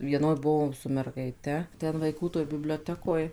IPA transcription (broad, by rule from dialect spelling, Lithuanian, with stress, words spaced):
ˈʋʲiɛnoːj ˈbʊʋoːm sʊ mʲɛrɡɐɪˈtʲɛ tʲɛn ʋɐɪˈkuː toːj bʲɪbʲlʲoːˈtʲæːkoːj